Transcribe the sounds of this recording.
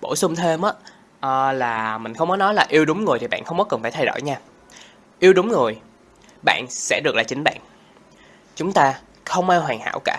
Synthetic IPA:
ɓo˧˩sʊ˧ŋ͡mt̪ʰe˧mʔaː˧˦˥ | ʔəː˨˩laː˨˩mï˨˩ŋ̟xə˧wŋ͡mkɔ˨˦nɔ˨˦jlaː˨˩ʔi˧əwɗʊ˨˦ŋ͡mŋɨ˨˩jt̪ʰi˨˩ɓa̰ː˧˨nxə˧wŋ͡mkɔ˨˦kə˨˩nfaː˧˩t̪ʰjɗo̰˧˩jɲaː˧ | ʔi˧əwɗʊ˨˦ŋ͡mŋɨ˨˩əj | ɓa̰ː˧˨nsɛ̰˧˥ɗɨ˨˩ək̚laː˨˩t͡ɕï˨˦ŋ̟ɓa̰ː˧˨n | t͡ɕʊ˨˦ŋ͡mt̪aː˧ | xə˧wŋ͡mʔaː˧wɦwaː˨˩ŋha̰ː˧˥wkaː˧˩

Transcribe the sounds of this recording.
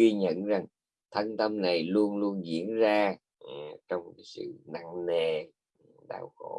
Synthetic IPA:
wi˧ɲə̰˧˨nza˨˩ŋ | t̪ʰə˧nt̪ə˧mna˨˩jlu˧ənlu˧ənzḭ˧˥ənzaː˧˨˩ | t͡ɕɔ˧wŋ͡mkːsɨ̰˧˨na̰˧˨ŋne˨˩ | ɗa̰ː˧˩wxo̰˧˥

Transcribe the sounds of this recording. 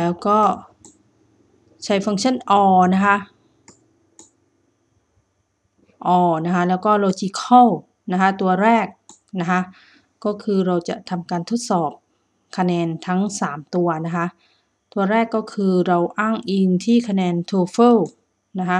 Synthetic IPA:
lɛː˦˥wkɔː˥˩ | t͡ɕʰa˦˥jfa˧ŋt͡ɕʰa˥˨nʔɔː˧na˦˥kʰa˦˥ʔ | ʔɔː˧na˦˥kʰa˦˥lɛː˦˥wkɔː˥˩ɾa˧wt͡ɕiː˧˩kʰa˥˩w | na˦˥kʰa˦˥t̪u˧ɐɾɛː˥˩k̚ | na˦˥kʰa˦˥ʔ | kːɔː˥˩kʰɯː˧ɾa˧wt͡ɕa̰˨˩t̪ʰa˧mkaː˧nt̪ʰo˦˥t̪̚sɔː˨˩p̚ | kʰa˧nɛː˧nt̪ʰa˦˥ŋsaː˩˦mt̪u˧ɐna˦˥kʰa˦˥ʔ | t̪u˧ɐɾɛː˥˩kːɔː˥˩kʰɯː˧ɾa˧wʔaː˥˩ŋʔi˧nt̪ʰiː˥˩kʰa˧nɛː˧nt̪ʰuː˧fɤː˥˩w | na˦˥kʰa˦˥

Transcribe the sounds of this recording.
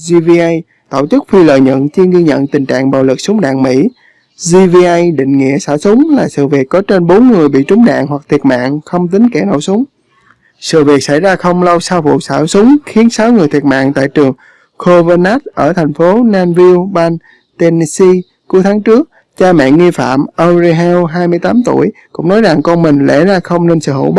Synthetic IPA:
zi˧vi˧ʔa˧j | t̪ə̰˧˨wt͡ɕɨ˦˥k̚fi˧lə̰ː˨jɲə̰˧˨nt͡ɕi˧ɣi˧ɲə̰˧˨nt̪ï˨˩ŋ̟t͡ɕa̰ː˧˨ŋɓa̰ː˨˩wlɨ˨˩k̚sʊ˨˦ŋ͡mɗa̰ː˧˨ŋmḭ˧˥ | zi˧vi˧ʔa˧jɗḭ̈˧˨ŋ̟ŋḭ˧˨əsaː˧˩sʊ˨˦ŋ͡mlaː˨˩sɨ̰˧˨vi˨˩ək̚kːɔ˨˦t͡ɕe˧nɓo˨˦nŋɨ˨˩əjɓḭ˧˨t͡ɕʊ˨˦ŋ͡mɗa̰ː˧˨ŋɦwa˨˩k̚t̪ʰi˨˩ət̚ma̰ː˧˨ŋxə˧wŋ͡mt̪ï˨˦ŋkɛ˧˩no̰˧˩wsʊ˨˦ŋ͡m | sɨ̰˧˨vi˨˩ək̚sa˧˥jzaː˧xə˧wŋ͡mlə˧wsaː˧wvṵ˧˨saː˧˩sʊ˨˦ŋ͡mxi˨˦ənsaː˨˦wŋɨ˨˩əjt̪ʰi˨˩ət̚ma̰ː˧˨ŋt̪a̰ː˧˨jt͡ɕɨ˨˩əŋ | kʰo˧və˧na˦˥t̚ʔəː˧˩t̪ʰɛ˨˩jŋ̟fo˨˦naː˧nvi˧wɓaː˧n | t̪e˧ni˧si˧ | ku˨˦əjt̪ʰaː˨˦ŋt͡ɕɨ˦˥ək̚ | t͡ɕaː˧mɛ̰˧˨ŋi˧fa̰ː˧˨mʔə˧wzi˧ɦɛ˧wɦaː˧jmɨ˧əjt̪aː˨˦mt̪u˧˩əjkʊ̰˧˥ŋ͡mnɔ˨˦jza˨˩ŋkɔ˧nmï˨˩ŋ̟lḛ˧˥zaː˧xə˧wŋ͡mne˧nsɨ̰˧˨ho̰˧˩˨ɓ

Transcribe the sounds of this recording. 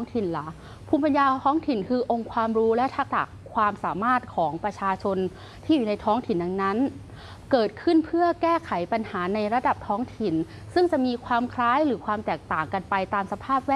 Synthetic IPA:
ŋt̪ʰi˨˩nla˩˦ | pʰuː˧mpa˧njaː˧t̪ʰɔː˦˥ŋt̪ʰi˨˩nkʰɯː˧ʔo˧ŋkʰwaː˧mɾuː˦˥lɛ˦˥t̪ʰa˦˧˥k̚da̰˨˩kʰːwaː˧msaː˩˦maː˥˩t̪̚kʰɔː˩˦ŋpɾa˧t͡ɕʰaː˧t͡ɕʰo˧n | t̪ʰiː˥˩juː˨˩na˧jt̪ʰɔː˦˥ŋt̪ʰi˨˩nda˧ŋna˦˥n | kɤː˨˩t̪̚kʰɯ˥˩npʰɯ˥˩ɐkɛː˥˩kʰa˨˩˦jpa˧nhaː˩˦na˧jɾa˧˥da˨˩p̚t̪ʰɔː˦˥ŋt̪ʰi˨˩n | sɯ˥˩ŋt͡ɕa˨˩ʔmiː˧kʰwaː˧mkʰɾaː˦˥jɾɯː˩˦kʰwaː˧mt̪ɛː˨˩k̚t̪aː˨˩ŋka˧npa˧jt̪aː˧msa˧pʰaː˥˩p̚wɛː˥

